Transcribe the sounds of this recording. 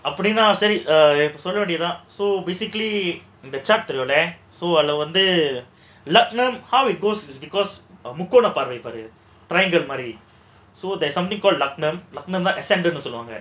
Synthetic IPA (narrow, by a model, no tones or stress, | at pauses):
ɐpːɐɽinːaːsɐɾiɪpːɐsɔlːɐʋeːɳɖɪɐt̪ãːsoːbeːsɪkɐli | ɪnd̪ɐt͡ʃaːʈ̚t̪ɛɾjoːlɛ | soːɐlɐʋɐnd̪ɯ | lɐk̚nɐmhɐʊɪʈ̚ɡoːssbɪkɔːsmʊkːoːnɐpaːɾʋɐɪpaːɾɯ | ʈɾɐɪɪ̃ŋɡɐɭmaːd̪ɾi | soːd̪ɐsɐ̃mt̪ɪ̃ŋkɔːlɖlɐknɐmlɐk̚nɐmt̪ãːʔɛsɛ̃ɳɖnːɯsɔlɯʋa̰ːŋɡɐ